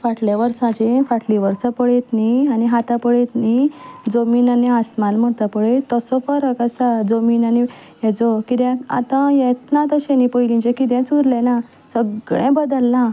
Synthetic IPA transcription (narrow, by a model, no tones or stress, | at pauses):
faʈʰljaʋəɾsãt͡ɕefaʈʰliʋəɾsapəɭet̪nianiɦat̪apəɭet̪nid͡zominaniasmanm̤ət̪apəɭet̪əsɔfəɾəkasad͡zominani | ed͡zɔkid̪jɛ̃a̰t̪ãjet̪nãt̪əɕẽnipəjlĩt͡ɕɛ̃kid̪jãt͡suɾlɛ̃na | səɡɭẽbəd̪əlːã